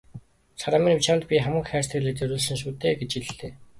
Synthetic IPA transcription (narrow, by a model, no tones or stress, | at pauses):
t͡sʰaɾaːminĭmt͡ɕaːnt̪pʲiχamə̆ŋxæːr̥st̪iːɮĕːt̪t͡ɕœɾʲʊːɮsə̆nʃ̬uːt̪eːɡet͡ɕiɮ̆ɮt̪eː